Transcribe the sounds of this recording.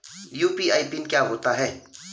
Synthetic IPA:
juːpiaːipɪnkjaːɦoːt̪aɦɛː

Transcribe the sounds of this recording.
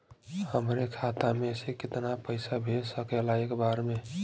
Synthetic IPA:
həmɾekʰat̪amesekɪt̪napəɪsabʱesəkɛlaekbaɾme

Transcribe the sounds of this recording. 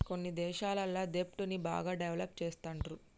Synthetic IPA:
ko̞nːid̪ɛːʃaːlɐlːaːd̪epʈuniba̰ːɡaːɖeʋlɐp̚t͡ʃɛːst̪ɐɳɖɾu

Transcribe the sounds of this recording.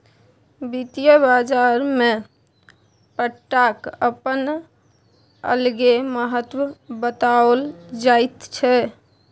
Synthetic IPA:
bit̪ijəbad͡ʒaɾme | pəʈːakə̰pən | ə̰lɡeməɦət̪wəbət̪aəld͡ʒajt̪t͡ʃʰɛ

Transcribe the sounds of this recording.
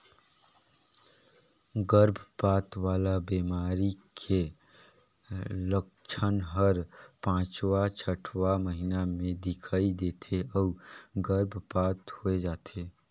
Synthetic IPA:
ɡəɾbʱpaːt̪ʋaːlabeːmaːɾikʰe | lək̚t͡ʃʰənɦəɾpãːt͡ʃwat͡ʃʰəʈʰʋaməɦɪnamẽd̪ɪkʰaːid̪eːt̪ʰeɔːɡəɾbʱpaːt̪hoed͡ʒaːt̪ʰeː

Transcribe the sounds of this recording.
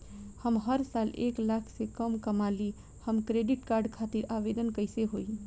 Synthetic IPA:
həmɦəɾsaːlḛːklakʰsekəmkəmali | həmkɾeɖɪʈkaːɾɖkʰat̪iɾaːʋed̪ənkəɪseɦoi

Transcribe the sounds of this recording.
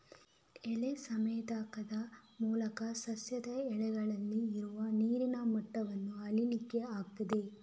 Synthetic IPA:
ɛɭesɐmeːd̪aːkɐd̪ɐmuːlɐkɐsɐsjɐd̪ɐɛɭɛɡɐɭɐlːiːɾuʋɐniːɾinɐmɔʈːɐʋɐnːuɐlinikːeaːɡ̚t̪id̪e̞

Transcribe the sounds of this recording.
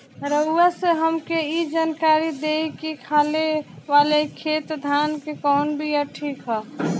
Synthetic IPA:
ɾəuaseɦəmkeid͡ʒaːnkaːɾid̪eikikʰaːleʋaːlekʰeːt̪d̪ʱaːnkekɔːnbʱijaʈʰiːkɦɛ

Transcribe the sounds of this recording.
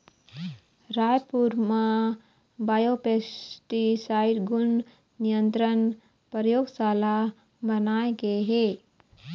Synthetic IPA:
ɾaːjpuɾmã | baːjopeːsʈisaːɪɾɡʊn | nijə̃nt̪ɾən | pɾəjoːɡsaːla | bɐnaːeɡeɦe

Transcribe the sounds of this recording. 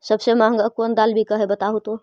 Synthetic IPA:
səbsemaɦəŋɡakond̪albʱikəɦebət̪aɦut̪o

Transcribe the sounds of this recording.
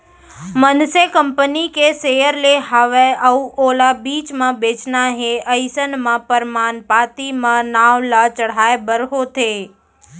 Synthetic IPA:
mənsekəmpənikesejəɾleɦaʋeəuolabiːt͡ʃmãbeːt͡ʃnaɦeəjsənmãpəɾmaːnpat̪imãnaʋlat͡ʃəɽ̤aebəɾɦot̪ʰe

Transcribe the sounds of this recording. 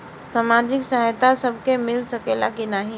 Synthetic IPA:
saːmaːd͡ʒɪksəɦjt̪asəbʱkemɪlsəkelakinaːɦĩ

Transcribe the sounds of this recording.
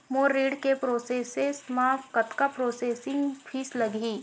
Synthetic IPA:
moːɾːiːɖkepɾoːseːsesmaːpkɐt̪kapɾoːseːsɪ̃ŋɡpʰiːslɐɡʱiː

